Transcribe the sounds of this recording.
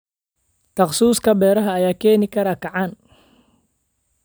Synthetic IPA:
t̪ʰɐχsuːskʰɐbɛːɾɐɦɐːjaːkʰɛːnɪkʰɐɾɐkʰɐʕan

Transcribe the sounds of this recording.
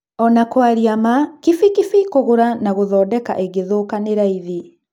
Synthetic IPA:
ɔnakwaɾiamakifikifikoɣoɾanaɣoðɔːdɛka̰ʔeɡeðokaneɾaiði

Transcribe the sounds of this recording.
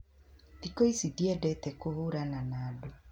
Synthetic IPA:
dikoisidiɛdɛtɛkohuɾananaːdo

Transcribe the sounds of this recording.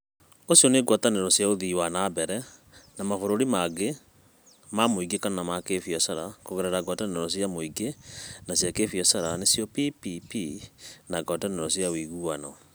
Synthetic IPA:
osijɔneɡwataneɾɔsjaoðiwanabɛɾɛnamafoɾoɾimaɡe | mamoiɡekanɔnamakefiɔsaɾakoɣɛɾɛɾaɡwataneɾɔsjamoiɡenasjakefiɔsaɾanesjɔpipipinaɡɔtaneɾɔsjawiɣuanɔ

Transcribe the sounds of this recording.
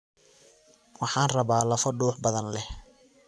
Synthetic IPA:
wɑħɑːnrɐβaːlɐfɐɖuːħbɐðɐnlɛ

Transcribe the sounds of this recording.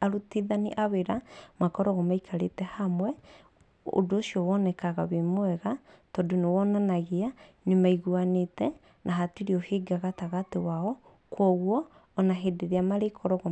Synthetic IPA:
aɾutiðaniʔaβeɾamakɔɾɔɣɔmaikʰaɾetɛhamwɛ | o̰doːsiɔwɔnɛkaɣaβemwɛɣatɔdonewɔnanaɣeanemaiɣuanetɛ | nʔaɦatiɾeɔheɡaɣataɣatewaɔ | kwɔɣwɔː | naɦedeɾeamaɾekʰɔɾɔɣɔ

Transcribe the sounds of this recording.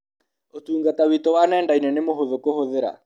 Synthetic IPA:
otuːŋɡatawitowanɛndainɛnemoɦoðokohoðeɾa̰

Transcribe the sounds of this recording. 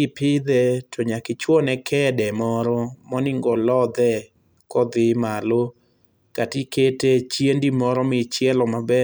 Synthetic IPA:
ɪpɪd̪ɛtʰɔɲakɪt͡ʃwɔnɛkʰɛdɛmɔɾɔmɔnɪŋɡɔlɔd̪ɛ | kɔd̪ɪmalo | katiketet͡ʃjendimɔɾɔmɪt͡ʃjɛlɔmabɛ

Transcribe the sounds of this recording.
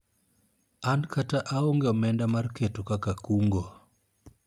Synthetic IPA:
ankataʔaoŋɡeɔmɛndamarketokakakuŋɡo

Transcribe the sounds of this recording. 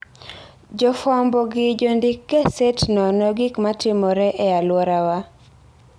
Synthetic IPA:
d͡ʒɔfambɔɡɪd͡ʒondɪkːesɛtnɔnɔɡikmatɪmɔɾɛʔɛalwɔɾawa

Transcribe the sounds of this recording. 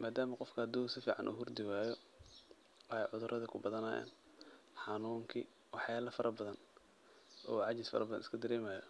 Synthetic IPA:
mʔaːd̪aːmɐqɔfkʰɐɐd̪ɔːsɪfiːʕɑnʔṵːɦʊrd̪ɪwaːjɔ | wɑħɑjʕʊðʊrʔɐðɐkʰʊbɐðɐnɐja̰ːn | ħɑnuːŋkʰi | wɑħjaːlɐfɐɾʔɐbɐðɐn | ʔɔːʕɑt͡ʃɪsfɐ̰ɾɐbɐðɐ̰nɪskʰɐd̪ɐɾɛːmaːjɔ

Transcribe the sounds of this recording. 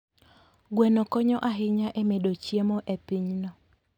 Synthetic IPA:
ɡwenokɔɲɔʔaɦɪɲaʔemedot͡ʃjemɔʔepiɲnɔ

